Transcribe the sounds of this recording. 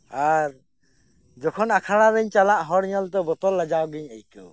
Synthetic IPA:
aɾ | d͡ʒɔkʰɔnakʰaɽ̃aɾəɲt͡ʃalaʔɦɔɽɲɔlt̪ɔbɔt̪ɔlːad͡ʒawɡiɲajtɔ̰

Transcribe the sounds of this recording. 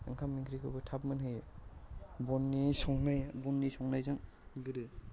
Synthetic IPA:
ɯŋkʰamːiŋkʰɾikʰɯbɯtʰap̚mɯnɦɯj | bɔnːisɔŋnajbɔnːisɔŋnajzaŋ | ɡɯɾɯ

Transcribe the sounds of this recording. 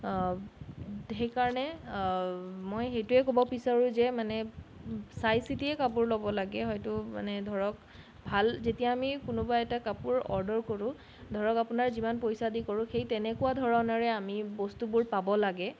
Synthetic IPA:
ɦejkaɹɔnɛ | mojxejtʊɛkobɔpisaɹũzɛmanɛ | sajsitiɛkap̬uɹlobɔlaɡɛɦɔjtʊma̰nɛdʱɔɹɔk | bʱalzetijaːmikʊnʊbaɛtakapʊɹɔ̰ɹdɔɹkoɹʊ̃ | dʱɔɹɔkapʊnaɹzimanpojsadikoɹʊ̃xejtɛnɛkʊwadʱɔɹɔnɔɹɛamibɔstubʊɹpabɔlaɡɛ

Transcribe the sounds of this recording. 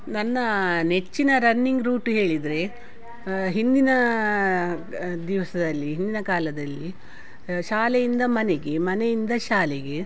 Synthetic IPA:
nɐnːɐne̞t͡ʃːinɐɾɐnːiŋɡɾuːʈɦe̞ːɭid̪ɾe̞ | ɦind̪inɐ | d̪iʋɐsɐd̪ɐlːiɦind̪inɐkaːlɐd̪ɐlːi | ʃaːlejind̪ɐmɐneɡe̞mɐnejind̪ɐʃaːleɡe̞

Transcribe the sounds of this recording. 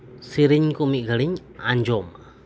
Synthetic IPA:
siɾiɲkumiʔɡəliɲ | aɲd͡ʒɔma

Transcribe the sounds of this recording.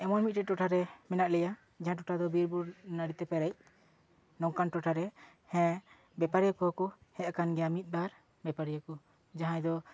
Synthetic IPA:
ɛmɔnmit̪̚ʈɛʈɔʈʰaɾɛmɛnaʔlɛja | d͡ʒaɦãʈ̬ɔʈʰad̪ɔbiɾbuɾnəɽit̪ɛpɛɾɛc̚ | nɔŋkanʈɔʈʰaɾɛ | hɛ̃ | bɛpaɾijakɔɦɔkɔhɛ̃akanɡɛjamit̪̚ˀbaɾ | bɛpaɾijakɔ | d͡ʒaɦãjd̪ɔ

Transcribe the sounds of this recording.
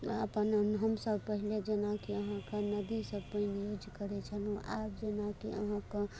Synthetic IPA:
əpənɦəmsəbpəɦiled͡ʒenakiəɦãkanəd̪isəbpəĩjud͡ʒkəɾɛt͡ʃʰənʔapd͡ʒenakḭə̰ɦãke

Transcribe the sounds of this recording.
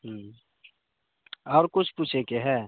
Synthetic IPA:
ɦ | ɔːɾkʊt͡ʃʰput͡ʃʰekeɦɛː

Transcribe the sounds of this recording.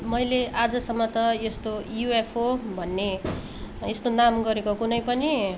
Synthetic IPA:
mʌjleʔad͡zʌsʌmːʌt̪ʌjest̪ojuepʰɦobʱʌnːe | est̪onamɡʌɾekokunʌjpʌni

